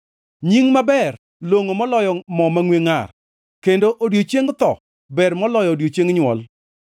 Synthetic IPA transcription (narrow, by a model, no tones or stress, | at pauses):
ɲiŋmabɛr | loŋomɔlɔjɔmɔmaŋweŋar | kendoʔodjot͡ʃeŋt̪ɔ | bɛrmɔlɔjɔdjot͡ʃeŋɲwɔ̰l